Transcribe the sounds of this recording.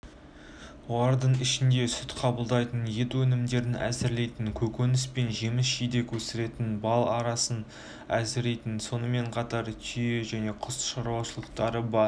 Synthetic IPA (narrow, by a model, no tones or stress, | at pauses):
wolˠɑɾd̪əɴɪʃɪnd̪e̞sʏt̪qʰɑbəlˠd̪ɑjt̪ənje̞t̪wɵnɪmd̪e̞ɾɪnʔæ̰zɪɾle̞jt̪ɪŋkʲʰɵkʲenɪspe̞nʒe̞mɪsʒijd̪e̞kʲʰɵsɪɾe̞t̪ɪnbɑlˠɑɾɑsən | æzɪɾe̞jt̪ɪnso̞nəme̞ɴqʰɑt̪ɑɾt̪ʲʰije̞ʒæne̞qʰʊsʃɑɾuwɑʃəlˠəq̚t̪ɑɾəbɑɾ